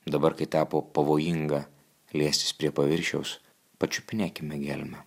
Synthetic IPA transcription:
d̪ɐbɐɾkɐɪt̪ɑːpoːpɐʋoːjɪŋɡɐ | lʲiɛsʲt̪ʲɪ̥spʲɾʲiɛpɐʋʲɪɾʲʃʲɛʊs | pɐt͡ʃʲʊpʲnʲæːkʲɪmʲɛɡʲælʲmʲɛ

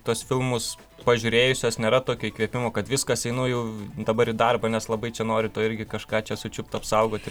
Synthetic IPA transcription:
t̪uɔsfʲɪlˠmʊs | pɐʒʲʊɾʲeːjʊsʲoːsnʲeːɾɐt̪oːkʲoːiːkʋʲiɛpʲɪmoːkɐt̪ʋʲɪskɐsɛɪnoːjɛʊd̪ɐbɐɾɪd̪ɐrbɐnʲɛslˠɐbɐɪt͡ʃʲɛnoːɾʲɪt̪oːɪɾʲɡʲɪkɐʃkɑːt͡ʃʲɛsʊt͡ʃʲʊp̚t̪ʊɐpsɐʊɡoːt̪ʲɪ

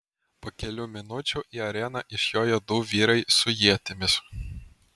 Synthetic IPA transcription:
poːkʲɛlʲuːmʲɪnʊt͡ʃʲʊˑʔiːɐɾʲɛːnɐʔɪʃjoːjɛd̪uːʋʲiːɾɐɪsʊjiɛt̪ʲɪmʲɪs

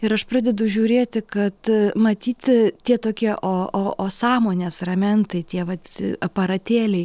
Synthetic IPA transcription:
ɪɾɐʃpɾɑːd̪ʲɛd̪ʊʒʲuːɾʲeːt̪ʲɪkɐt̪mɐt̪ʲiːt̪ʲtʲiɛt̪oːkʲiɛʔoːoːoːsɑːmoːnʲeːsrɐmʲɛnt̪ɐɪt̪ʲiɛʋɐt̪ɐpɐɾɐt̪ʲeːlʲɛɪ

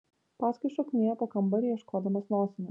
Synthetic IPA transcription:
pɑːsʲkɐɪʃɔknʲiːɡɐpokɐmbɐɾʲijɛʃkoːd̪ɐmɐsnoːsʲɪnʲɐ

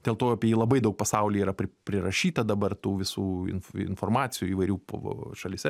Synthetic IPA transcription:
d̪ʲeːlˠt̪oːɐpʲiɛjiːlˠɐbɐɪd̪ɐʊk̚pɐsɐʊlʲiːiːɾɐpʲɾʲɪpʲɾʲɪɾɐʃʲiːt̪ɐd̪ɐbɐrt̪uːʋʲɪsuːɪ̰nfɪ̰nfoːrmɑːt͡s̪sʲɪjuːiːʋɐɪɾʲuːpo̰ʃɐlʲɪsʲɛ

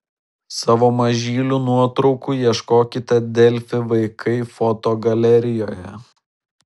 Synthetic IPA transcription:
sɑːʋoːmɐʒʲiːlʲuːnuɔt̪ɾɒʊkuːjiɛʃkoːkʲɪt̪ʲɛd̪ʲɛlʲfʲɪʋɐɪkʰɐɪfɔt̪oːɡɐlʲɛɾʲɪjoːjɛ

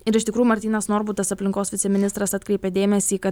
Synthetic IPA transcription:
ɪɾɪʃt̪ʲɪkɾuːjumɐɾʲt̪ʲiːnɐsnoːɾbʊt̪ɐsɐpʲlʲɪŋkoːsʋʲɪt̪sʲɛmʲɪnʲɪst̪ɾɐsɐt̪ʲkɾʲɛɪpʲɛd̪ʲeːmʲɛsʲiːkɐ

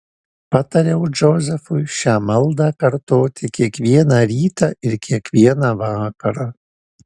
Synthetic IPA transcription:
pɑt̪ɐɾʲɛʊd͡ʒɔzʲɛfʊjʃʲaːmɐlˠd̪ɑkɐɾt̪oːt̪ʲɪkʲiɛkʋʲiɛnɑːɾʲiːt̪ɑːɪɾkʲiɛkʋʲiɛnɑʋɑːkɐɾaː

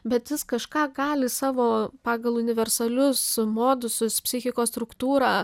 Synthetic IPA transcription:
bʲɛt̪jʲɪskɐʃkɑːɡɑːlʲɪsɑːʋoːpɑːɡɐlˠʊnʲɪʋʲɛɾsɐlʲʊsmoːd̪ʊsʊspʲsʲɪxʲɪkoːst̪ɾʊkt̪uːɾɑː

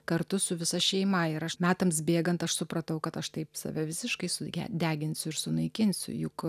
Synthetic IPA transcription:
kɐɾt̪ʊsʊʋʲɪsɐʃʲɛɪmɐɪɾɐʃmʲæːt̪ɐmsbʲeːɡɐnt̪ɐʃsʊpɾɐt̪ɐʊkɐt̪ɐʃt̪ɐɪpsɐ̰ʋʲɛʋʲɪsʲɪʃkɐɪsʊæ̰d̪ʲæːɡʲɪnʲsʲʊɪɾsʊnɐɪkʲɪnʲsʲʊ̰jʊk

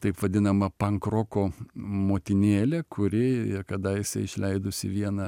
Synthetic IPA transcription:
t̪ɐɪpʋɐd̪ʲɪnɐmɐpɐŋkɾoːkoːmoːt̪ʲɪnʲeːlʲɛkʰʊɾʲɪɪkɐd̪ɐjɪsɐɪɪʃʲlʲɛɪd̪ʊsʲɪ̰ʋʲiɛnɐ

